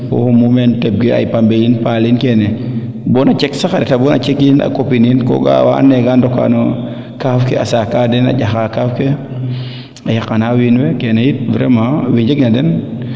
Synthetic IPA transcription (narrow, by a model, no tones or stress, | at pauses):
kɔ̰humumɛntɛb̚ɡea̰jpambejinpalinkɛnɛ | bɔnat͡ʃɛksakadɛtabɔna̰t͡ʃekina̰kopininkɔ̰ɡa̰wa̰ːnɛɡandɔka̰no | kafkɛasakadɛna̰ɟaxakafke | ajakanawinwɛkɛnejit̚vɾɛmawiɲd͡ʒeɡnadɛn